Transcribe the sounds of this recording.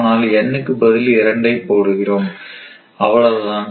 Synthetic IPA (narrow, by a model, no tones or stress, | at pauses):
naːlɛnːɯkːɯbɐðɪlɪɾɐɳɖɐɪpːoːɽɯɣɪroːm | ɐ̰ʋɐɭɐðɯlaːn